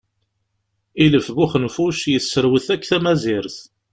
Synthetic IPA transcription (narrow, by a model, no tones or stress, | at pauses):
iləfɣʊχənfuʃjəsːəɾwəθækːθæmæzɪɾθ